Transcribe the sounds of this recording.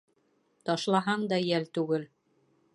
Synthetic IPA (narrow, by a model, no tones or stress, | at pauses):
t̪ɒʃlˠɑɦɑɴd̪ɑjælt̪ʉɡɘl